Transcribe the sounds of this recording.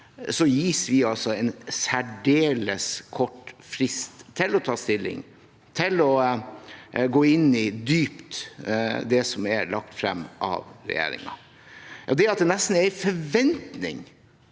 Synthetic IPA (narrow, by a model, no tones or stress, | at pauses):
sɔjiːsʋɪɑlsɔɛnsæɖeːləskʰɔʈːfɾɪst̪ʰːɪlɔt̪ʰɑːst̪ɪlːɪ̰ŋ | t̪ʰɪlɔ | ɡoːɪnːɪd̪yːpt̪ | d̪ɛsɔmɛɾlɑk̚t̪fɾɛmːʔɑ̰ʋɾɛ̰jḛːɾɪ̰ŋɑ̰ | jʔɑːd̪ɛɾɑt̪̚d̪ɛnɛst̪n̩ɛɾfɔɾʋɛnt̪nɪ̰ŋ